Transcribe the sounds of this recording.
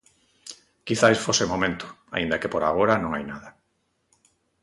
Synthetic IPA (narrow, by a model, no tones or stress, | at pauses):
kiθajsfosemomẽnt̪ʊ̥ | a̰ind̪akepoɾa̰ɣ̞oɾanõŋajnaða